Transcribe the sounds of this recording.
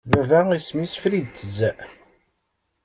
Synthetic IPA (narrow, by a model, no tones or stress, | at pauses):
vævæismisfɾid̪t̪ːəzːæʔ